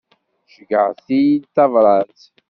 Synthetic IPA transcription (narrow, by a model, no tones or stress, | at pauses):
ʃiɡaθit̪avɾat͡s